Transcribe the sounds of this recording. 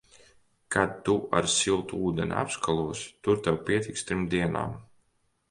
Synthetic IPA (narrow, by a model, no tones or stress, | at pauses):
kʰad̪̚t̪ua̰ɾsilˠt̪uuːd̪ɛ̰n̰ʲa̰pskalˠuɔst̪uɾt̪ɛwpiɛt̪ikst̪ɾimd̪iɛna̰ːm